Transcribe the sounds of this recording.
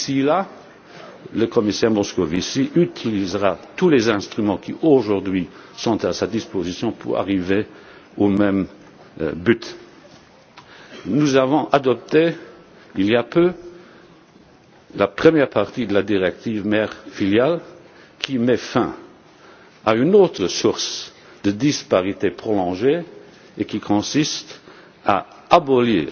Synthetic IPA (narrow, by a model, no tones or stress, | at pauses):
sila | ləkɔmisɛʁmɔskovisiʔyt̪ʰilizʁat̪ulezɛ̃st̪χymɑ̃kʰḭʔoʒuʁd̪ɥisɔ̃t̪asad̪ispozisjɔ̃pʰṵʁa̰ʁive | omɛm | byt̪ | nuzavɔ̃ʔad̪ɔp̚t̪e | iljapø | lapχəmjɛʁpaʁt̪id̪əlad̪iʁɛk̚t̪ivmɛːʁfiljal | kʰimɛfɛ̰̃ | aynoːt̪χəsuʁs | d̪̥əd̪ispaʁit̪epχɔlɔ̃ʒeː | kikʰɔ̃sist̪ | a̰ | abɔlḭːʁ